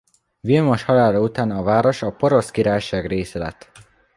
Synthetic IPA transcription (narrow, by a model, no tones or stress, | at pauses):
vilmoʃhɒlaːlɒut̪aːnɒvaːɾo̞ʃɒpo̞ɾo̞skiɾaːjʃaːɡreːsɛlɛ̰t̪ː